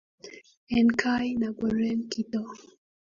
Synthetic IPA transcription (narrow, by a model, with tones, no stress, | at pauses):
ɛ˨nkʰa˦jna˨ɡɔ˨ɾɛ˦nki˦tɔ˦